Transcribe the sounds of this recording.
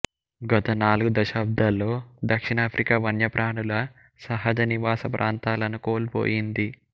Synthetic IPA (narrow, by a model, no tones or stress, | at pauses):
ɡɐt̪ɐnaːluɡud̪ɐʃaːb̚d̪alːo̞ːd̪ɐkʂiɳaːpʰɾʔikaːʋɐɳjɐpɾʔaːɳulɐ | sɐɦɐd͡ʒɐniʋaːsɐpɾʔaːnt̪aːlɐnukoːlpo̰ːjind̪i